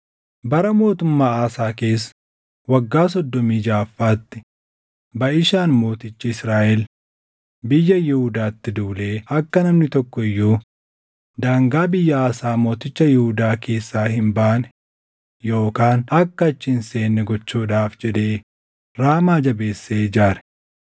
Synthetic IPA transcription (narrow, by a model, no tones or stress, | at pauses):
bɐɾɐmo̞ːt̪ʊmːaːaːsaːke̞ːsː | wɐɡːaːs̬ɔd̪ːɔmiːd͡ʒaːfːaːt̪ːɪ̥ | bɐʔɪʃaːnmo̞ːt̪ɪt͡ʃːɪɪsɾaːʔɛl | bɪjːɐjɪhʊd̪aːt̪ːɪd̪uːleːɐkːɐnɐmnɪt̪ɔkːɔɪjːuː | d̪aːŋɡaːbɪjːɐaːsaːmo̞ːt̪ɪt͡ʃːɐjɪhʊd̪aːke̞ːsːaːhɪmbaːnɛ̥ | jo̞ːkaːnɐkːɐt͡ʃːɪnse̞ːnːɛɡɔt͡ʃːuːᶑaːfd͡ʒɛᶑ̪e̞ː | ɾaːmaːd͡ʒɐbe̞ːsːeːd͡ʒaːɾɛ̥